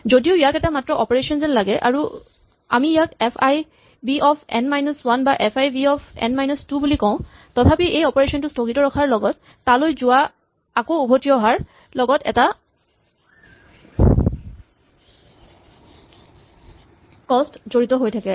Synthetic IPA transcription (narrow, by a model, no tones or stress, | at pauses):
zodiʊijakɛtamatɹɔʔɔpɔɹesɔnzɛnlaɡɛʔa̰ɹu | amiːjakɛpʰaj | biʔɔpʰɛ̰nmajnɔswanbaʔɛpʰajbiɔpʰɛ̰nmajnɔstubulikɔʊ̃ | tɔtʰapiʔejɔpɔɹesɔntʊstokitɔɹɔkʰaɹlɔɡɔtː | alojzʊwa | akoubʱotiɔɦaɹ | lɔɡɔtɛ̰ta | kɔstzoɹitɔɦojtʰakɛ